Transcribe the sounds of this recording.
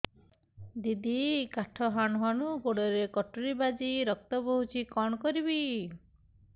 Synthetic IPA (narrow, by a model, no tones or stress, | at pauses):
d̪id̪ikaʈʰɔɦaɳɔɦɔɽuɡoɽɔɾekɔʈuɾibad͡ʒiɾɔk̚t̪ɔbɔɦut͡ʃʰikɔɳ̃ɔkɔɾibi